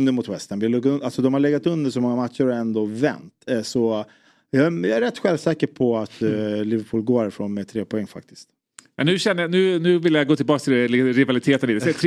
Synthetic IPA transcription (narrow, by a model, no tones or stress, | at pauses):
nd̪əɾmʊt̪wɛst̪ənbɪlɵɡaɵnʔalsɔd̪ɔmhaɭɛɡːat̪ɵnd̪əʂɔmɔŋːamat̪ʂʊɾɛnd̪ovɛ̰nt̪sɔ | jɑjɑ̰æɾɛt̪ːɧɛlvsɛːkəɾpʰɔat̪lɪvəɾpʰuːlɡoːɾæɾɪfɾoːnmɛt̪ʰɾeːpʰɔɛŋːfa̰k̚t̪ɪ̥st̪ | mɛnʉːɕɛnːəjanʉ̟ːnʉ̟ːvɪlːəjaɡoːt̪ʰɪlbɑːkst̪ʰɪlɾɪvalɪt̪ʰeːt̪əniːd̪sɛt̪ʰɾ